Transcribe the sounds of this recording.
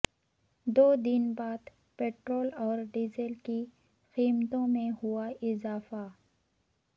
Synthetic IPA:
d̪oːd̪ɪnbaːd̪ | peːʈɾoːlɔːɾɖiːzəlki | xiːmt̪õmẽhʊaʔɪzaːfa

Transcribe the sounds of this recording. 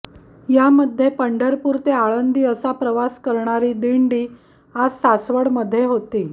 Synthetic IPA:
jaməd̪ʱːjepəɳɖəɾpuːɾt̪eaɭənd̪ʱiːəsapɾəʋaskəɾɳaɾiːd̪iɳɖiː | ad͡zsasʋəɽməd̪ʱːjeɦot̪iː

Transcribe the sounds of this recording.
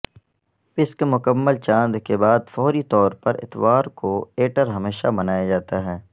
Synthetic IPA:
pɪskmʊkəmːəlt͡ʃãːnd̪kebaːd̪fɔːɾit̪ɔːɾpɐɾɪ̰t̪ʋaːɾkoeːʈəɾɦɐmeːʃamɐnaːjad͡ʒaːt̪aɦɛː

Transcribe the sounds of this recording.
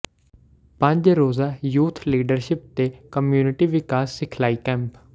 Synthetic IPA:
pə̃ɲd͡ʒɾoːzaːjuːt̪ʰliːɖəɾʃɪp̚t̪eːkəmjuːnɪʈiːʋɪkaːsːɪkʰlaːiːkɛ̃ːmp

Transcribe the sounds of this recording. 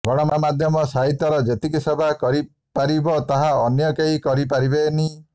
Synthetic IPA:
ɡɔɽ̃ɔmɔmad̪ʱjɔmɔsaɦit̪jɔɾɔd͡ʒet̪ikisɔbʱakɔɾi | paɾibɔt̪aɦaɔnjɔkeɦikɔɾipaɾibeni

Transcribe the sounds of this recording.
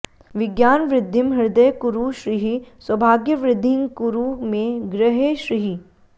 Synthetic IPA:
ʋɪɡjaːnʋɾɪd̪ʱːɪmɦɪɾd̪əjkuɾuʃɾiɦiswɐbʱaːɡjəʋɾɪd̪ʱːɪ̃ŋkuɾumẽɡɾɪɦeːʃɾiɦi

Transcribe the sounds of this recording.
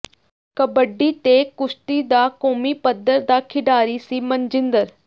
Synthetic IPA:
kəbəɖːiːt̪eːkʊʃʈ̪iːd̪aːkoːmipəd̪ːəɾd̪aːkʰɪɖaːɾisiːmə̃nd͡ʒɪ̃nd̪əɾ

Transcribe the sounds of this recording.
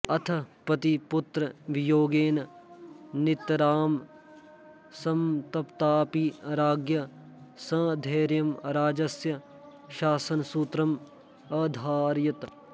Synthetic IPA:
ɐt̪ʰɐpɐt̪ipʊt̪ɾɐʋijoːɡeːnɐ | nɪt̪ɾaːm | sɐmt̪ɐpt̪aːpiɾaːɡjɐ | sɐ̃ːd̪ʱeːɾjɐmɾaːd͡ʒɐsjɐ | ʃaːsɐnsuːt̪ɾɐm | ɐd̪ʱaːɾjɐt̪

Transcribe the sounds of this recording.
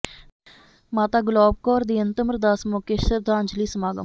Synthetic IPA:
maːt̪aːɡʊlɔːb̚kɔːɾd̪iːənt̪əməɾd̪aːsmoːkeːʃəɾd̪ʱãːnd͡ʒliːsəmaːɡə̰

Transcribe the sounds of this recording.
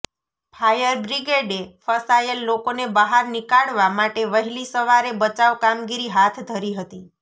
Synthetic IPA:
pʰajəɾbɾiɡeɖefəsajəlːokonebəɦaɾnikaɽʋamaʈeʋəɦilisəʋaɾebət͡ʃaʋkamɡiɾiɦat̪ʰd̪ʱəɾiɦət̪i

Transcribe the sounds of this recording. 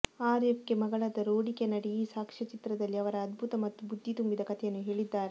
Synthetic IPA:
aːɾepkemɐɡɐɭɐd̪ɐɾoːɽikenɐɽijisaːkʂɐt͡ʃit̪ɾɐd̪ɐlːiɐʋɐɾɐːd̪bʱut̪ɐmɐt̪ːubud̪ʱːit̪umbid̪ɐkɐt̪ʰɛjɐnːuɦe̞ːɭid̪ːaːɾe

